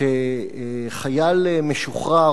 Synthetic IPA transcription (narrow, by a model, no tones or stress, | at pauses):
e | χajalmeʃuχʁa